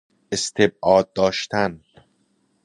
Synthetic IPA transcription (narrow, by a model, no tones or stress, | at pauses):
ʔest̪ʰe̞b̚ʔɒːd̪̚ːɒːʃt̪ʰæn